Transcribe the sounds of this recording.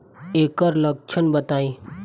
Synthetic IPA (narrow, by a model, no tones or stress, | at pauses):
eːkəɾlɐk̚t͡ʃʰənbət̪aːĩ